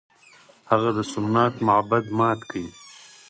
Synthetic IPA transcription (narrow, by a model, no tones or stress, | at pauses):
haɣad̪əsʊnːat̪mʊʕabad̪mɑːt̪kʰai